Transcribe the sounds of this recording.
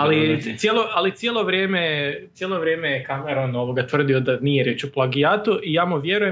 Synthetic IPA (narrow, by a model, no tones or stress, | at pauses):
alit̪sjelˠoʔalit̪sʲjelˠo̞ʋɾʲjeːmett̪sjelˠo̞ʋɾjeːmejekameɾono̞ʋo̞ɡat̪ʋr̩d̪iod̪anijeɾje̞ːt͡ʃuplˠaɡijaːt̪uijaːmuʋje̞ɾuje